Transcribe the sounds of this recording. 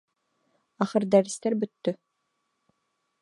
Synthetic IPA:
aχɯɾd̪æːɾist̪ɛɾbyt̪ːy

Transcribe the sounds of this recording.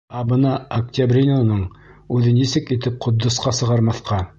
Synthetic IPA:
ɑbɤ̆nɑɐktʲabrʲinonɤɴ | ʉðɘnisɘkit̪ɘp̚qʰŏd̪ːŏsqɑsɤ̆ʁɑɾmɑθqɑ

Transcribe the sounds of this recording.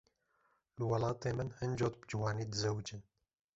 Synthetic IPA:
lɨwɑlɑːt̪eːmɨnhɨnd͡ʒoːt̪̚bd͡ʒɨwɑːniːd̪ɨzɛwd͡ʒɨn

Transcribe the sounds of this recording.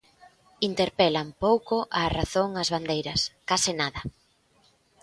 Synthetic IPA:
int̪eɾpɛlampowkoʔaraθoŋɐzβand̪ejɾɐskasɪnaðɐ

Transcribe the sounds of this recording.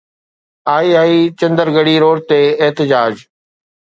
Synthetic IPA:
aːiaːit͡ɕɐ̃nd̪əɾɡəɽiːɾoːɽt̪eːɪɦt̪ɪd͡ʑaːd͡ʑ

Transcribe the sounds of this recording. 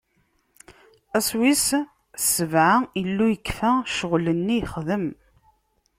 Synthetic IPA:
æswis | səvʕailːujəkːfæʃəʁlənːijχðəm

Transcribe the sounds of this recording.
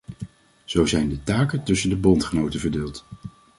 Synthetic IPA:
z̥owzɛjndətaːkətɵsəndəbɔntχənowtəvəɹdɪːlˠt

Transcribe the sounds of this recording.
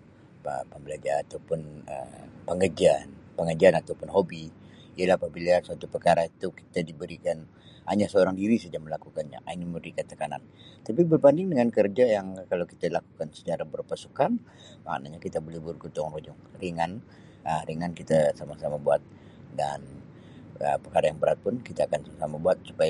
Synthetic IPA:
ə̰pəmbəlad͡ʒaɾat̪awpʊnə̰pəŋəd͡ʒianpəŋəd͡ʒianat̪awpʊnɦobiiəlahapabilasuat̪upərkaɾait̪uki̥t̪adibəɾikan | aɲasəoɾaŋdiɾisəd͡ʒaməlakukanɲa̰ʔa̰ɲaməbəɾikant̪əkana̰nt̪ap̬ibərbandɪŋdəŋankərd͡ʒajaŋkalawki̥t̪alakukansə̥t͡ʃaɾabərpasu̥kan | ma̰ʔnaɲakit̪abolɛhburɡut̪ʊŋrod͡ʒʊŋɾiŋan | əɾiŋankit̪asamasamabuat̪̚ | da̰n | ə̰pərkaɾajaŋbəɾat̪̚pʊnkit̪aːkansasamabuat̪̚su̥paj

